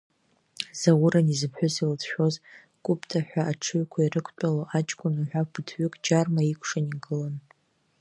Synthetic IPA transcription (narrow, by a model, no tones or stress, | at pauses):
z̥awʊɾanizɨpʰħʷᶣʊziltʰʃᶣo̞z | kʷʼʊpʰtʰaħᶣʷaʔːʈ͡ʂʰɨɥkʷʰairɨkʷʰt͡pʼaloʔat͡ʃʼkʷʼʊnuħʷᶣabɨtʰɥʏkʼd͡ʒarmaikʷʰʂaniɡʼɨlan